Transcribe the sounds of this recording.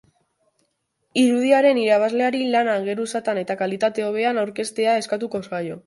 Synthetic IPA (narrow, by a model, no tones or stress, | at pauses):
iɾuð̞iaɾe̞niɾaβ̞azle̞aɾilanaŋɡe̞ɾusat̪ane̞t̪akalit̪at̪e̞o̞β̞e̞anawɾke̞st̪e̞ae̞skat̪uko̞sajo̞